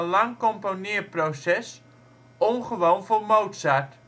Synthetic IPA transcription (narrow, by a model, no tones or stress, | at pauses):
laŋkomponiəprosɛs | onχəʋoːnfolmowtsat